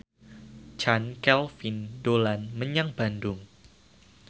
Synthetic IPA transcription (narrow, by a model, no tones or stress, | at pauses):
t͡ʃankɛlfindolanməɲaŋb̥andʊŋ